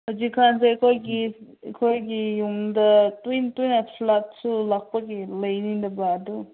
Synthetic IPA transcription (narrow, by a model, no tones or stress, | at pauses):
hazikʰːansaekʰojɡiekʰojɡijuŋdɐtujntujnasʰlak̚sulak̚paɡilɐjnindɐbadu